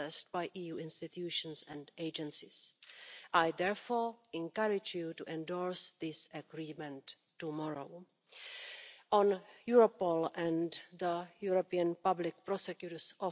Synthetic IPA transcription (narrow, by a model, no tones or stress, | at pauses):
ɛst̚bajʔiːjuːɪ̃nstɪt̪ʰjuːʃə̃nsɛ̃ndeɪd͡ʒɛ̃nsɪsʔajðɛɹfɔɹɪ̃nkaɹɪd͡ʒjutuʔɛ̃ndɔɹsðɪsəɡɹiːmɛ̃ntː | umɔɹo̰ʊ | ʔɔ̃njuɹopolɛ̃nðəjuɹopiãnpablɪk̚pɾɔsɛkjutə˞sɔ